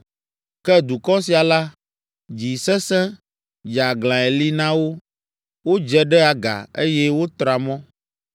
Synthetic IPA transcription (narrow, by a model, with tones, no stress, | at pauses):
kɛ˦d̪u˨kɔ˦si˨a˨la˦ | d͡ʒi˨sɛ̃˦sɛ̃˦ | d͡ʒa˨ɡlã˨e˨li˦nã˦wo˦ | wo˦d͡ʒɛ˦ɖɛ˦a˨ɡa̰˨e˦jɛ˦wo˦t̪ɾa˨mɔ̃˦